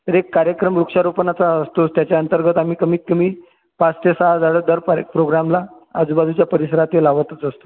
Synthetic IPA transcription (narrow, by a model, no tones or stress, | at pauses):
t̪əɾekːaɾjəkɾəmɾukʂaɾopənat͡saəst̪ost̪jat͡ɕjaənt̪əɾɡʱət̪am̤iːkəm̤iːt̪t̪ːum̤iː | pat͡st̪esaɦad͡zaɽəːd̪əɾppɾoɡɾamlaː | d͡zubad̪ʱut͡ɕjapəɾisəɾat̪elaʋət̪ət͡səst̪o